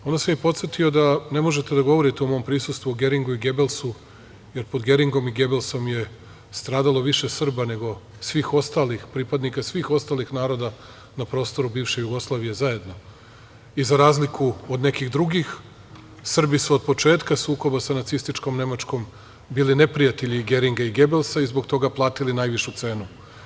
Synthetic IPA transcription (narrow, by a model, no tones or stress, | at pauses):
o̞nd̪asemipo̞t̪set̪iod̪ane̞moʒet̪e̞d̪aɡo̞ʋo̞ɾit̪eomo̞ːmpɾisust̪ʋuoɡe̞ɾiŋɡuiɡe̞belˠsu | je̞ɾpo̞d̪ɡe̞ɾiŋɡo̞miɡe̞belˠso̞mje̞ | st̪ɾaːd̪alˠo̞ʋiʃe̞sr̩bane̞ɡo̞ | sʋiːxo̞st̪aːlixpɾipad̪nikasʋiːxo̞st̪aːlixnaːɾo̞d̪a | napɾo̞ːst̪o̞ɾubiːvʃejuɡo̞slˠaːʋije̞zae̞d̪no̞ | izaɾaːzlikʰuod̪ne̞kiɣd̪ɾuɡix | sr̩bisuod̪̚po̞t͡ʃe̞ːt̪kasuːko̞basanat̪sist̪it͡ʃko̞mne̞mat͡ʃko̞m | biːline̞pɾijat̪e̞ʎiɡe̞ɾiŋɡaiɡe̞be̞lˠsaizboɡt̪o̞ɡaplˠaːt̪ilinajʋiʃut̪se̞ːnu